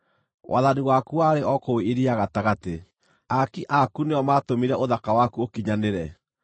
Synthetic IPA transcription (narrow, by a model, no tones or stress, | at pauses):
wʔa̰ðaniwakuaɾeʔɔkoweeɾiaɣataɣate | akiʔakuneɔmatomiɾɛoðakawakuokiɲaneɾɛ